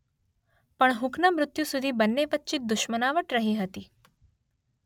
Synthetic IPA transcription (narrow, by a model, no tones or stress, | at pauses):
pəɳɦʊknəmɾʊt̪jusʊd̪ʱibənːeʋət̪ːt͡ʃit̪̚d̪ʊʃmənaʋəʈɾəɦiɦət̪iː